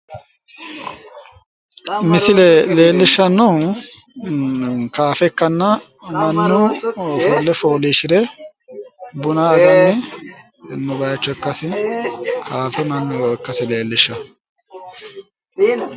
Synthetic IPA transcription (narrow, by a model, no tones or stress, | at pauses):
mɪsɪlɛle̞ːlːɪʃːɐnːʊ | kaːfɛkːɐnːɐ | mɐnːʊfoːlːɛfoːliːʃɪɾɛ | bʊnɐɐɡɐnːɪ | nʊbɐjɐt͡ʃːɔɛkːɐsɪ | kʰaːfɛmɐnːʊjɔɛkːɐsɪle̞ːlːɪʃːɐ